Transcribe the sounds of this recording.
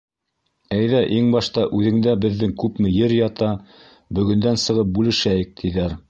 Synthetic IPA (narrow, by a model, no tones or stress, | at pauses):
æjðæʔiŋbɑʃt̪ɑʔʉðɘ̆ŋd̪æbɘ̆ðːɘŋkʉpmɘjɘɾjɑt̪ɑ | bɵ̆ɡɵ̆nd̪ænsɤ̆ʁɤp̚bʉlɘ̆ʃæjɘk̚t̪ʰiðæɾ